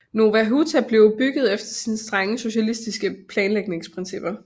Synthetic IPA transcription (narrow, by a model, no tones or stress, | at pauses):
no̝ʋæɦut͡sʰæb̥le̝ʊb̥yɡ̥ð̞̩ˠefd̥ɐsiːnəsd̥ʁaŋəso̝ɕælisd̥isɡ̥əpʰlɛːnleɡ̥ne̝ŋspʰʁinsib̥ɐ